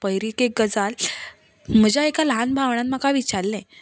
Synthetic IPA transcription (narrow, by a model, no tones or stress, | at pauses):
pəjɾikek̚ɡəd͡zal | m̤əd͡ʑaekalɦanbʱaʋɳãt̪makaʋit͡ɕaɾlɛ̃